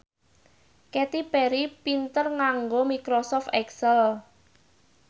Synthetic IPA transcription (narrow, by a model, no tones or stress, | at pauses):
kɛt̪ipɛɾipint̪ərŋaŋɡomikɾosɔft̪ɛksəl